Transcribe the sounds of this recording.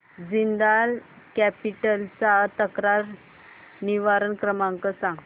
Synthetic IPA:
d͡zind̪al | kɛpiʈəlt͡sat̪əkɾaɾ | niʋaɾənkɾəmãŋkəsãŋɡ

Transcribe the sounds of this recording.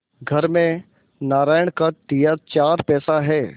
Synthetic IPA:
ɡʱɐɾmẽ | naːɾaːjəɳ̃kat̪ijat͡ʃaːɾpɛːsaɦɛː

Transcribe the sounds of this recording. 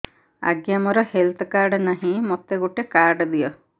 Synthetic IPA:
a̰ɡjamɔɾɔhelt̪ʰɔkaɾɖnaɦĩmot̪eɡuʈekaɾɖd̪ijɔ

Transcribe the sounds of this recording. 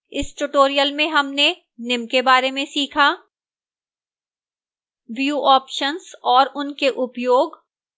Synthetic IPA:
ɪsʈuʈoːɾijəlmẽɦɐmne | nɪmkebaːɾemẽsiːkʰaː | ʋjuːʔɔːpʃənzɔːɾʊnkeʔʊpjoːɡ

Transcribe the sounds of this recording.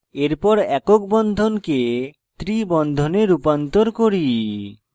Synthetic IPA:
eɾpɔɾɛkok̚bɔnd̪ʱonke | t̪ɾibɔnd̪ʱoneɾupant̪oɾkoɾi

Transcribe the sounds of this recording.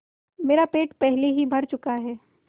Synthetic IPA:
meːɾapeːʈpɛɦleɦibʱɐɾt͡ʃʊkaɦɛː

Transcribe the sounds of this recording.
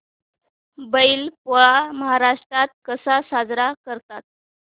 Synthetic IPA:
bəilpaməɦaɾaʂʈɾat̪̚kəsasad͡zɾakəɾt̪at̪̚

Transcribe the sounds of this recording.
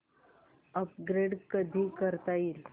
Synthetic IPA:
əp̚ɡɾeɖkəd̪ʱikəɾt̪aiɾ

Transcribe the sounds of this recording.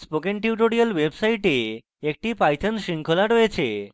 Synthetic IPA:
spokenʈiuʈoɾialwebsajʈe | ek̚ʈipajt̪ʰanʃiŋkʰolaɾojet͡ɕʰḛ

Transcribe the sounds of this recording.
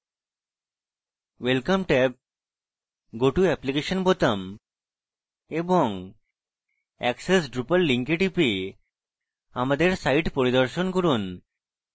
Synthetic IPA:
ʋelkəmʈɛp̚ | ɡoʈuɛplikeɕənbʱot̪əm | ebɔŋ | ɛksesɖɾupəlːiŋkeʈipi | amad̪eɾsaiʈpɔɾid̪ɔɾʃɔnkɔɾuːn

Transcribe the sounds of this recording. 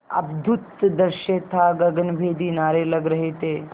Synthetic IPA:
ɐ̰bd̪ʱut̪d̪əɾʃeːt̪ʰaɡɐɡənbʱeːd̪iːnaːɾeːləɡɾɐɦet̪e

